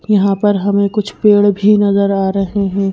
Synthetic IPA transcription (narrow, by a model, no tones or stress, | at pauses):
jɐɦãpɐɾɦɐmẽkʊt͡ʃʰpeːɽbʱinɐzəɾaːɾɐɦeɦɛ̃ː